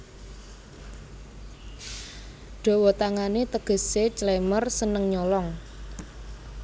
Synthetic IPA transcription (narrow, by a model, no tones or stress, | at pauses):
ɖ̥ɔ̤wɔt̪aŋanet̪əɡ̥ə̤set͡ʃlemərsənəŋɲɔlɔŋ